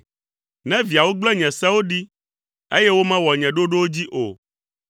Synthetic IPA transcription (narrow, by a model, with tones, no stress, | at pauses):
nɛ̃˦vi˨a˨wo˦ɡ͡blɛ˦ɲɛ̃˨sɛ̃˦wo˦ɖi˦ | e˦je˦wo˦mɛ̃˦wɔ˨ɲɛ̃˨ɖo˦ɖo˦wo˦d͡ʑi˦ʔo˨